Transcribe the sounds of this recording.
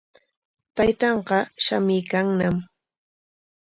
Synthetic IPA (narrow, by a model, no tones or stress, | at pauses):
t̪ajt̪ɑɴqɑʃamɪjkaŋnam